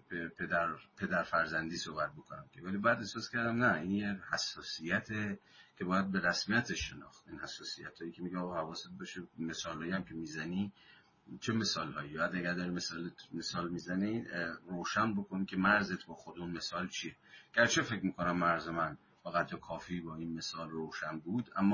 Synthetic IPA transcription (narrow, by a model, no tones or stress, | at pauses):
pepʰed̪æɾpʰe̞d̪æɾfæɾzænd̪iːsohbæt̪̚bokʰonæ̰mkʲʰe̞vælibjæd̪esɒːskʲʰæɾd̪æmnæinjehæsːɒːsijæt̪ʰe | kʲʰe̞bɒːjæd̪̚be̞ɾæsmijæt̪ʰeʃːe̞nɒ̰ːxt̪inhæsːɒːsijæt̪ʰhɒːjicʰemiɟeɒɣɒhævɒːset̪̚bɒʃeme̞sɒːlhɒːjiæmcʰe̞miːzæni | t͡ʃʰe̞me̞sɒːlhɒːiɒæd̪æɡæɾd̪ɒːɾimesɒːlet̪mesɒːlmiːzæniroːʃænbo̞kʰonikʰe̞mæɾzet̪ʰbɒːxod̪unme̞sɒːlt͡ʃʰieɡ̥æɾt͡ʃʰe̞fe̞kmiːkonæmːæɾzemæn | fæɣæt̪jekʰɒːfiːbɒːiːnme̞sɒːlroːʃænbud̪æ̰mːɒ